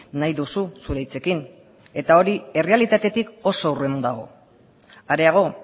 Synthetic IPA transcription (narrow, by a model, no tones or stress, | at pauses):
najðususuɾejt͡se̞kin | e̞t̪ao̞ɾie̞re̞alit̪at̪e̞t̪iko̞so̞wre̞mund̪aɣ̞o̞̰ | aɾe̞aɣ̞o̞